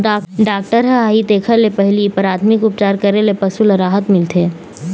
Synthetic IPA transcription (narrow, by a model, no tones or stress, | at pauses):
ɖaːk̚ʈəɾɦɦaːit̪eːkʰəlepɛɦlipɐɾaːd̪mɪkʊp̚t͡ʃaːɾkɐɾelepɐsulɐɾaːɦət̪mɪlt̪ʰeː